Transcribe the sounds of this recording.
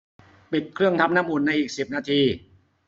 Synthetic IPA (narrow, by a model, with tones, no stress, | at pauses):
pi˨˩t̪̚kʰɾɯ˥˩əŋt̪ʰa˧˥m̚naː˦˥˨mʔuː˨˩nːa˧jʔiː˨˩k̚si˨˩p̚naː˧t̪ʰiː˧